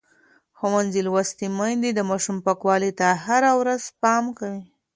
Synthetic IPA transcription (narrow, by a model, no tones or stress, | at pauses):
xawanzilwast̪imajnd̪id̪əmɑʃumpakwɑlit̪ahaɾawɾaz̥pɑmkawi